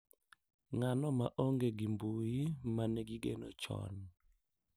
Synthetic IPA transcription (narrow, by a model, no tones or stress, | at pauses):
ŋanɔmaʔoŋɡeɡimbujimanɛɡiɡenot͡ʃɔ̰n